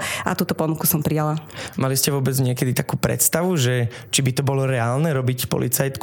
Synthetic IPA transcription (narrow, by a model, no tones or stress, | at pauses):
a̰t̪uːt̪ɔpɔnukusɔmpɾijalamaliscɛʋʊɔbɛd͡zɲɪɛkɛd̪it̪akuːpɾɛ̰t̪st̪aʋuʒɛ | t͡ʃibit̪ɔbɔlɔɾɛaːlnɛɾɔbicpɔ̰lit͡sajt̪k